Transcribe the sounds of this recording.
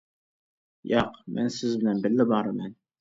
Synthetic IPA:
jɑqmʔæ̰nsɘzbɘ̆lænbɘ̆lːɘbɑɾɤmæn

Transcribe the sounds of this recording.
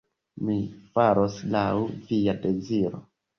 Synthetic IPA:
mifaɾoslawvijade̞ziɾo̰

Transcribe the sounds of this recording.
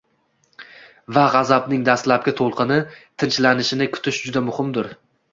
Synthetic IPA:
vaʁɑzabnɪŋd̪ast̪lap̚kʲat̪ʰolˠqʰɨnɪt̪ʰɪnt͡ʃlanɪʃɪnɪkʰʊ̥t̪ʰɪʃd͡ʒʊd̪amʊhɪmd̪ʊɾ

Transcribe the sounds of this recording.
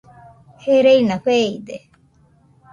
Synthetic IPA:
heɾeinakʷeid̪e

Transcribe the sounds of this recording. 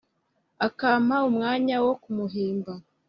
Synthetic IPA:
akaːmaumŋaːɲawo̞kumuɦiːmba

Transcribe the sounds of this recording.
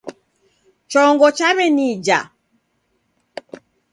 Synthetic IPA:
t͡ʃɔŋɡɔt͡ʃaβɛnid͡ʒa̰

